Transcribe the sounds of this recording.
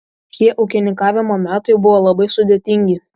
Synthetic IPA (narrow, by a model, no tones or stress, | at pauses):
ʃʲiɛʔɐʊkʲɪnʲɪŋkɑːʋʲɪmoːmʲæːt̪ɐɪbʊʋoːlˠɐbɐɪsʊd̪ʲeɛt̪ʲɪŋʲɡʲɪ